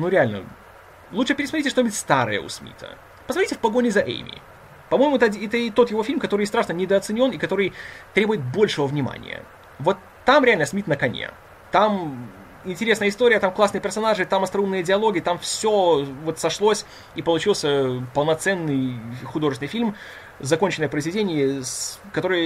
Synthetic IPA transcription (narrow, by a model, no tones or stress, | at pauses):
nuɾʲɪalʲnə̰ | lˠut̪t͡ʂʂɨpʲɪɾʲɪsmɐtɾʲɪt̬ʲɪʂt̪onʲbʲɪtʲst̪aɾɨ̰jə̰ʊ̰smʲḭt̪ʰə̰ | pəzmɐnʲitʲɪfpɐɡo̞nʲɪzɐʔḛjmʲɪ̰ | pɐmo̞jmʊɛt̪ɐɛt̪əɪt̪o̞t̪jɪvofʲilʲmkɐt̪o̞ɾɨjst̪ɾaʂnənʲɪd̪əːt̪sɨnʲo̞nɪkɐt̪o̞ɾɨjt̪ɾʲe̞bʊjɪt̪̚bo̞lʲʂɨvəvnʲɪma̰nʲɪ̰jə̰ | vo̞t̪ːamɾʲɪalʲnəsmʲit̪nəkɐnʲḛ | t̪am | ɪnʲtʲɪɾʲe̞snəjəɪst̪oɾʲɪjət̪amklˠasnɨjəpʲɪrsɐnaʐɨt̪amɐst̪ɾɐumnɨjədʲɪɐlˠo̞ɡʲɪjət̪amfsʲo̞vo̞t̪sɐʂlˠosʲ | ipəlˠʊt͡ɕilˠsʲəpəlˠnɐt̪sɛnːɨjxʊd̪o̞ʐɨsʲɪnɪfʲilʲm | zɐko̞nʲt͡ɕɪnəjəpɾəɪzvʲɪdʲenʲɪjəskɐt̪o̞ɾɨjə